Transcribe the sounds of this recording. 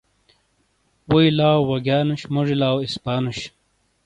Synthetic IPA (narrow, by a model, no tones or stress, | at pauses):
wujlaːwːɐɡaːnuɕmoʐilaːwispaːnuɕ